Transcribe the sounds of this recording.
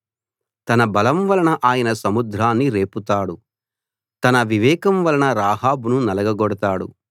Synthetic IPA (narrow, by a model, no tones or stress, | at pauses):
t̪ɐnɐbɐlɐmʋɐlɐɳɐʔaːjɐnɐsɐmud̪ɾaːnːiɾe̞ːput̪aːɽu | t̪ɐnɐʋiʋɛːkɐmʋɐlɐɳɐɾaːɦaːbununɐlɐɡɐɡɔɽɐt̪aːɽṵ